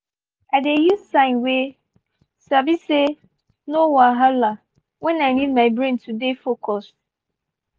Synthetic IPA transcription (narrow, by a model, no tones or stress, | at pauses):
adejussãɪ̃nwe | sabise | nowaɦala | wɛnaɪnid̚maɪbɾẽntʰudefokɔst̚